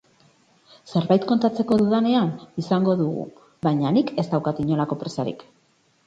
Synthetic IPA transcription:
se̞ɾβajt̪ko̞nt̪at͡se̞ko̞ðuðane̞anisaŋɡo̞ðuɣṵ | βajɲanike̞st̪awkat̪iɲo̞lako̞pɾe̞saɾḭk

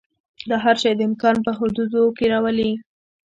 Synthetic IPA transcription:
d̪ɑɦaɾʃɑjd̪əɪmkɑnpəɦʊd̪ud̪okeɾɑwəli

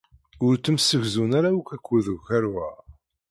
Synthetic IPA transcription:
ʊɾt͡sːəmsəʝzunaɾaukækʷːæðəɣʝæɾwæ

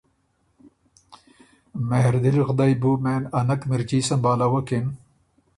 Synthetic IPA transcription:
mehɾd̪ilxd̪ajbumenɐnɐkmiɾkiːsɐmbaːlawɐkin

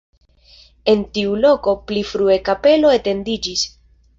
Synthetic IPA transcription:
e̞ntiulo̞ko̞plifɾuekape̞lo̞ete̞ndid͡ʒis

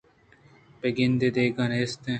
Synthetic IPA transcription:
peɡind̪ed̪eːɡɐnest̪ẽ

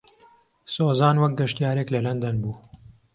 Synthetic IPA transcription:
soːzaːnwɐk̚ɡɐʃt̪ijaːɾeklɐlɐnd̪ɐnbuː

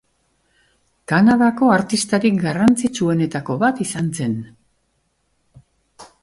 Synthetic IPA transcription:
kanaðako̞aɾt̪ist̪aɾik̚ɡarant͡sit͡sue̞ne̞t̪ako̞βat̪isanse̞n

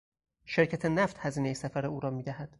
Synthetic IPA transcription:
ʃe̞ɾcʰæt̪ʰenæft̪hæziːne̞jesæfæɾeuːɾɒːmiːd̪æɦæd̪̥

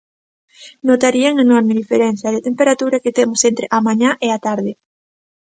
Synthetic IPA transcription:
not̪aɾiaŋenɔɾmɪðifeɾen̟θjɐðet̪empeɾat̪uɾɐket̪emʊsent̪ɾeʔamãɲaʔeat̪aɾðɪ

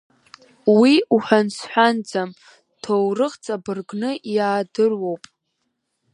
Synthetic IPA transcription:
wiuħʷᶣansħʷᶣand͡zam | tʰowrɨqt͡sʼabɨrɡnɨʔjaːdɨrwo̞wpʼ

